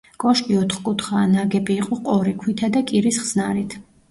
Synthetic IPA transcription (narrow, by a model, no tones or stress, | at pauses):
kʼɔʃkʼiɔt̪ʰχkʼut̪ʰχaːnaɡɛbiːqʼɔqʼɔɾikʰwit̪ʰad̪akʼiɾisχz̥naɾit̪ʰ